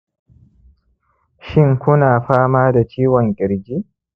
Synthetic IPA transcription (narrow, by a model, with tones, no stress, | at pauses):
ʃɪ˦ŋkʷʊ˦naː˨ɸaː˦maː˦da˨t͡ʃiː˦wɔ˨ŋkʲʼɪ˨ɾɡʲi˦